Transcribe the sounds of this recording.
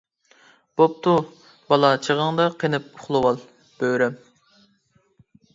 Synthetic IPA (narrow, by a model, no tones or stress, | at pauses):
b̥op̚t̪u | bɑlˠɑt͡ʃʰəʁəŋd̪ɑqʰenɪp̚ʊχlˠɨwɑlˠ | b̥øɾɛm